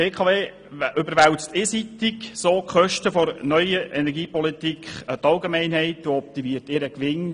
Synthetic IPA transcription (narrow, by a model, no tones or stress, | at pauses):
eːkʰɑːveː | ʔʏbəɾʋæwt͡stɪsitiksoːkχœʃtəfɔɾnœʏəʔɛnɛɾɡiːpɔlitikχətɑlɡemɛɪnɦhɛɪtdoɔp̚t̪imiːərtɪɾəkʋɪn